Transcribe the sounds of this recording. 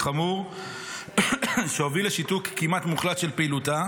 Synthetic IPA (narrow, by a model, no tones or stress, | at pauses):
χamuʁ | ʃeovileʃitukkːimat̪muχlat̪ʃelpeiːluta